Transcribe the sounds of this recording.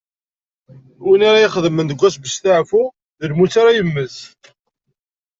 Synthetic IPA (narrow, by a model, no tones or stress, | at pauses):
winaɾajiχəðəmənd̪əɡʷːæsbəst̪aʕfu | ðəlmut͡sːaɾajəmːəs